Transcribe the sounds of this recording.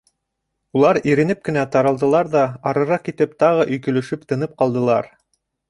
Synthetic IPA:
ulˠɑɾiɾɘ̆nɘp̚kɘ̆næt̪ɑɾɑ̆lˠd̪ɤ̆lˠɑɾðɑɑɾɤ̆ɾɑqkit̪ɘpt̪ɑʁɤʔɵ̆jkɵ̆lɵ̆ʃɵpt̪ɤ̆nɤp̚qɑlˠd̪ɤ̆lˠɑɾ

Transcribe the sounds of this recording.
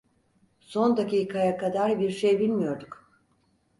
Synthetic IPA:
so̞nd̪aciːkʰajakad̪aɾbiɾʃejbilʲmijo̞ɾd̪uk

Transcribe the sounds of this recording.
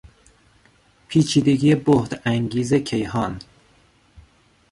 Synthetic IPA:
pʰiːt͡ʃʰiːd̪e̞ɡiːebohd̪æŋɟiːze̞cʰe̞jhɒːn

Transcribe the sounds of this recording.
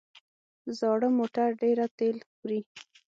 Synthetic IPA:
zɑɽəmoʈaɾɖeɾat̪elxɾi

